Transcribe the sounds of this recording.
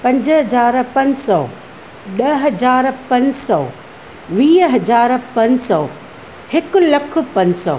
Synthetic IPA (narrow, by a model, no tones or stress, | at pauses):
pɐ̃ɲd͡ʑɦɐd͡ʑaːɾpɐ̃ɲsɔ | ɗɐɦɐzaːɾpɐ̃ɲsɔː | ʋiːɦɐd͡ʑaːɾpɐ̃ɲsɔ | hɪkʊ̆lɐkʰʊ̆pɐ̃ɲsɔ̰ː